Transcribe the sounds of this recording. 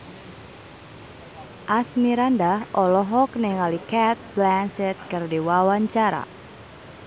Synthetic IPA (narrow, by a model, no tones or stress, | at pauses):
ʔasmiɾandahʔɔlɔɦɔknɛŋalikɛt̪̚blansɛt̪̚kɨrdiwawaɲt͡ʃaɾa̰